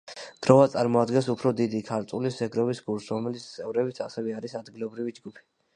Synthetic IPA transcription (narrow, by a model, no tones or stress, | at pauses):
ɡ̪̥ɾɔvat̪sʼaɾmɔad̪ɡɛnsupʰɾɔd̪id̪ikʰaɾt̪ʼulisɛɡɾɔbisɡuɾsɾɔmɛlit̪sʰt̪sʼɛvɾɛbit̪sʰasɛvɛaɾisad̪ɡilɔbɾivid͡ʒɡupʰi̥